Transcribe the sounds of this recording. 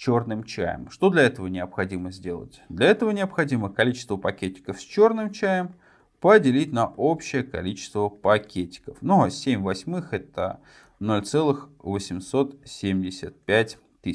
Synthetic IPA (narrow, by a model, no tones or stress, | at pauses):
t͡ɕornɨmt͡ɕæ̰jə̰mʂt̪o̞d̪lʲɐɛt̪əvənʲɪəpxɐdʲiməzʲdʲe̞lˠə̰tʲd̪lʲɐɛt̪əvənʲɪəpxɐdʲiməkɐlʲit͡ɕɪ̥st̪vəpɐkʲet̚ʲːɪ̥kəfsʲt͡ɕornɨmt͡ɕæjəm | pədʲɪlʲitʲnɐʔopɕːɪjəkɐ̰lʲit͡ɕɪ̥st̪vəpɐkʲʰetʲːɪ̥kəfnusʲemʲvɐsʲmɨxɛt̪ə̰ | nolʲt̪sɛlˠɨxvəsʲɪmso̞t̪sʲemʲdʲɪsʲət̪̚pʲætʲ | t̪ːɨ